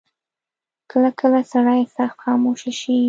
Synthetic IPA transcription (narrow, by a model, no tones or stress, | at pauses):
kəlakʰəlasaɽajsaxt̪xɑmoʃaʃi